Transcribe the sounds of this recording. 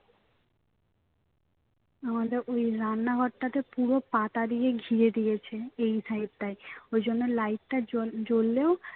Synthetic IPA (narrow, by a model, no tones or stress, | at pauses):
amad̪eɾojɾanːaɡʱɔʈːat̪epuɾopat̪ad̪ieɡʱiɾed̪ijet͡ɕʰeejsaiɾ̚t̪ajojd͡ʑonːelajʈ̚ʈad͡ʑolːeo